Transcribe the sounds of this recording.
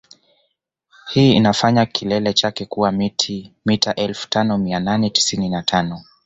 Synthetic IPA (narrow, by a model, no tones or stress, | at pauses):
hiːḭnafaɲakʰilɛlɛt͡ʃakɛkuwamitʰimitaʔɛlfu̥tanɔmiananɛti̥sininatʰanɔ